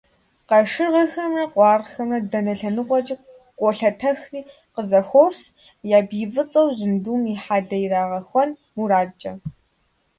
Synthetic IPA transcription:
qɐʂɨʁɐxɐmrɐqʷʼɑːrxɐmrɐdɐnɐɬɐnɨʁʷɔt͡ʃʼ | qʷʼɔɬɐtʰɐxriː | qəzɐxʷows | jaːbiːvɨt͡sʼɐwʑɪnduːmiħaːdɐjɪraːʁɐxʷɔnmuɾaːt͡ʃʼɐ

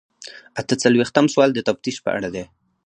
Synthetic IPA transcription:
at̪ət͡salwext̪amswɑld̪ət̪aft̪iʃpə̰ʔa̰ɽad̪e

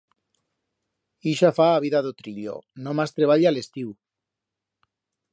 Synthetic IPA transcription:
iʃafaːβ̞iðaðot̪ɾiʎo̰nomast̪ɾeβ̞aʎaalest̪iw

